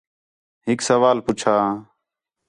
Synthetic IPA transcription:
ɦɪksəʋaːlpʊt͡ʃʰaː

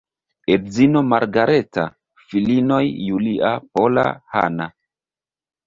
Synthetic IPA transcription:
eɾzino̞maɾɡaɾeta̰ | filino̞jːuliʔapola̰ha̰na

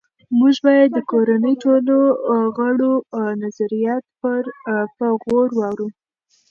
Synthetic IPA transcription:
muʒbɑjad̪ːəkoɾanəjʈoloɣəɽonazaɾijɑt̪̚pəɾpəɣoɾwɑwɾu

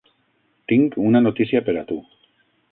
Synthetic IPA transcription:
t̪iŋkunano̞t̪isiapeɾat̪u

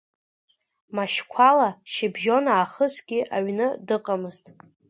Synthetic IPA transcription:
maʃkʷʰalaʃɪbʒo̞naːχəsɡʲɪʔa̰ɥnɨdɨqʼamɨztʼ

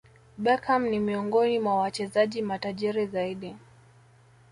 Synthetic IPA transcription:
ɓɛkʰamnimiɔŋɡɔnimwawat͡ʃɛzaʄimataʄiɾizaiɗi

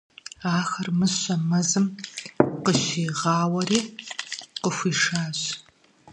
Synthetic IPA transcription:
aːxɐrmɨsɕɐmɐzɨm | qəɕiːʁɑːwɐriː | qəxʷiːʂaːɕ

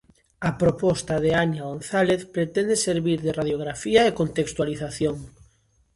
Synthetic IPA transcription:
ɐpɾopɔst̪aðeaɲaonθaleθpɾet̪ɛnd̪eseɾβiɾðeraðjoɣ̞ɾafiɐekont̪ekst̪waliθaθjoŋ

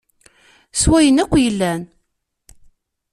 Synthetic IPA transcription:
swæjənækʷːjəlːæn

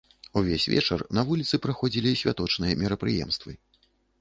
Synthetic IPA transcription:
uvʲesʲvʲɛ̰t͡ʂɐrnɐvulʲit̪sɨpɾaxɔd͡zʲilʲisʲvʲat̪ɔt͡ʂnɨjɐmʲɛɾɐpɾɨjɛ̰mst̪vɨ

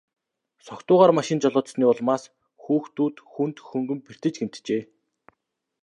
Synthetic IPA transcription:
sɔkt̪ʊːʁaːrmaʃɪ̆nt͡ɕɔɮʊːt̪sniːɔɮmaːs | xuːxt̪uːt̪xunt̪xɵŋɡɵ̆mper̥t̪ɘ̆t͡ɕɡem̥t̪t͡ɕeː

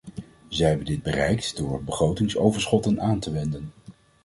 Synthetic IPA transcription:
zəɦɛbəndɪd̚bərɛjktdʊːɹbəχrowtɪŋsowvəɹsχɔtənaːntəʋɛndən

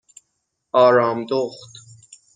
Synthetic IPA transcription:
ɒːɾɑːmd̪oχt̪

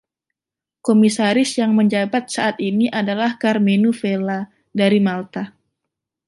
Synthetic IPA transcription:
komisaɾɪsjaŋməɲd͡ʒabat̪̚saʔat̪iniʔadalahkarmenufela | daɾimalt̪a

